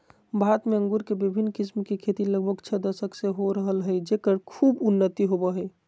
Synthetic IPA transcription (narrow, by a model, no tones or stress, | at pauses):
bʱat̪meə̃ŋɡuɾkebibʱinːkismkekʰet̪iləɡbʱəɡt͡ʃʰəd̪əsəkseɦoɾəɦəlɦəjd͡ʒekəɾkʰuːbunːət̪iɦobəɦəj